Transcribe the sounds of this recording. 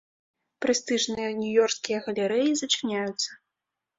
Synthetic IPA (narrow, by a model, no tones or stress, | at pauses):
pɾɛst̪ɨʐnɨjɐnʲujɔrskʲijɐɣɐlʲɛɾɛjizɐt͡ʂɨnʲajut̪sːɐ